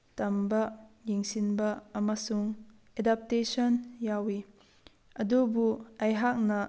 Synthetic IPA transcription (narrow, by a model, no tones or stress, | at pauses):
tɐmbɐjiŋsinbɐɐmasuŋ | ʔedap̚tesɔnjawi | ʔɐdubuɐjɦak̚nɐ